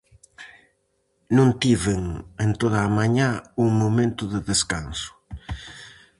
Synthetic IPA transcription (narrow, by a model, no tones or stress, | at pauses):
nũnt̪iβeŋent̪oðaːmaɲauŋmomẽnt̪ʊðɪðeskansʊ̥